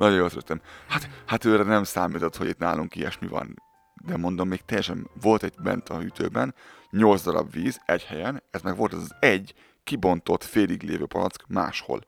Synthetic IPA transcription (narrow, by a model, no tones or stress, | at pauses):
nɒɟojolsɾøt̪ːɛmhat̪hat̪øːɾɛnɛmsaːmiːt̪o̞t̪ho̞ɟit̪na̰ːluŋkiɛ̰ʃmivɒ̰n | d̪ɛmo̞nd̪o̞mːeːk̚t̪ɛjːɛʃɛnvo̞lt̪ɛɟbɛ̰nt̪ɒhyt̪ʰø̰ːbɛn | ɲo̞ld̪zd̪ɒɾɒ̰bʋiːzɛɟhɛjɛnɛzmɛɡʋo̞lt̪ɛzɒzɛɟ | kibo̞nt̪o̞t̪feːliɡlḛːvøːpɒnɒ̰t̪skma̰ːʃho̞̰l